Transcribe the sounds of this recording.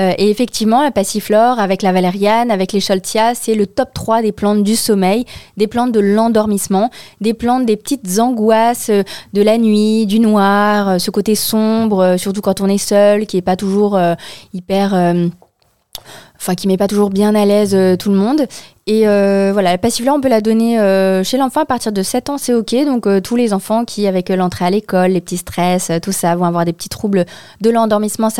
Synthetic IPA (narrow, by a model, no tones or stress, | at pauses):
øʔeefɛk̚t̪ʰivmɑ̃apasiflɔʁavɛklavaleʁjanavɛkleʃɔlt̪jasɛlət̪ɔp̚t̪χwad̪eplɑ̃t̪̚d̪ysɔmɛjd̪eplɑ̃t̪̚d̪əlɑ̃d̪ɔʁmismɑ̃d̪eplɑ̃t̪̚d̪epə̥t̪it̪zɑ̃ɡwasød̪əlanɥid̪ynwaʁøsəkot̪esɔ̃bʁøsyʁt̪ukɑ̃t̪ɔ̃nɛsœlkʲiɛpat̪uʒuʁøipɛʁøm | ɑ̃fɛ̃kʲimɛpat̪uʒuʁbjɛ̃nalɛzøt̪ʰuləmɔ̃d̪eøvwalapasifl̃ɔ̃pølad̪ɔneøʃelɑ̃fɑ̃apaʁt̪iʁd̪əsɛt̪ɑ̃sɛɔkʲed̪ɔ̃køt̪ʰulezɑ̃fɑ̃kʲʰiavɛklɑ̃t̪χealekɔlːepə̥t̪ist̪χɛsøt̪usavɔ̃avwaʁd̪epə̥t̪i̥t̪χubl | d̪əlɑ̃d̪ɔʁmismɑ̃s